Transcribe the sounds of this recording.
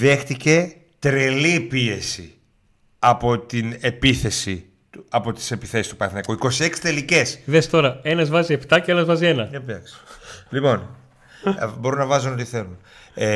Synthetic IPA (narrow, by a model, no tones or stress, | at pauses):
ðe̞xt̪ice̞ | t̪ɾelipie̞si | ɐpot̪ine̞piθe̞si | tuɐpo̞t̪i̥se̞piθe̞sist̪upɐθnɐkuiko̞sie̞ksi̥t̪e̞lice̞sðest̪o̞ɾɐe̞nɐzvɐzie̞pt̪ɐceɐnɐzvɐzie̞nɐepiɐkslipo̞n | bo̞ɾunɐvɐzuno̞t̪iθe̞lun | e